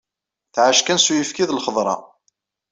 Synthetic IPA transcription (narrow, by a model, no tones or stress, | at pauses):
θʕaʃkænsujəfkiðlχəðˤɾˤɑ̰